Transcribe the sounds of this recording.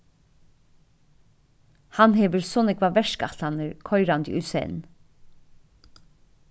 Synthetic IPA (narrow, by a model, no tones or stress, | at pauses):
hɑnheːʋəɹsɔnɛkʋɑːʋɛʃkɑt̪ɑnəɹkʰɔʏɾɑnd̪ḭːʔʉsḛn̩